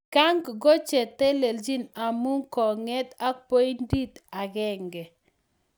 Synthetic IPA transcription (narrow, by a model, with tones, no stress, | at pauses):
ka˦ŋɡɡɔ˦t͡ʃɛ˨t̪ɛ˦le˨ld͡ʒi˦na˨mu˦ŋkɔ˨ŋɛ˦t̪a˦po˦i˦ndi˦t̪a˨ɡɛ˦ŋɡɛ˨